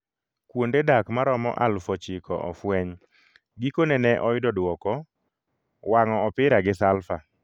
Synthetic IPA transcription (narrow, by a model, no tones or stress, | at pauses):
kwondedakmaɾɔmɔ̰ʔalfɔt͡ʃɪkɔ̰ʔɔfwɛɲ | ɡikonɛnɛʔɔjɪdɔdwɔkɔ | waŋɔɔpɪɾaɡɪsalfa